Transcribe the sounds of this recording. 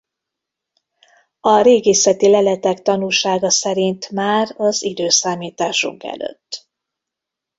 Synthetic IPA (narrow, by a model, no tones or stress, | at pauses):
ɒɾeːɡeːsɛt̪ilɛlɛt̪ɛkt̪ɒnulʃaːɡɒsɛɾint̪maːrɒzid̪øːsaːmiːt̪aːʃṵŋkɛ̰lø̰t̪ː